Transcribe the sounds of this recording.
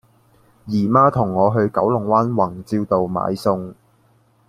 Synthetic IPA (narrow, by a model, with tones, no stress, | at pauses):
jiː˨˩maː˥t̪ʰʊ˨˩ŋːɔː˨˧ɦɵ˧ɥkɐ˨˥wlʊ˨˩ŋwaː˥nwɐ˨˩ŋt͡siː˧wt̪o˨wma̰ː˨˧jsʊ˧ŋ